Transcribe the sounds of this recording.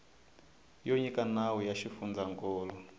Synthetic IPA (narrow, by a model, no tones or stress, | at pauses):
joɲikanawujaʃifund͡zaŋkʼɔːlɔ